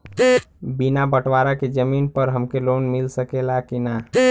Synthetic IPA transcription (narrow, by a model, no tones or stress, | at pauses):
binabəʈʋaɾaked͡ʒəmiːnpəɾɦəmkeloːnmɪlsəkelakina